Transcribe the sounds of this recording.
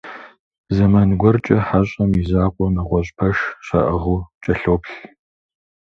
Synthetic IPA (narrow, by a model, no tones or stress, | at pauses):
zɐmɐnɡʷɔrt͡ʃʼɐħaɕʼɐmizaːqʷʼɔmɐʁʷɔɕʼpʰɐʂɕɐ̰ʔɐʁuːt͡ʃʼɐɬoːpɬ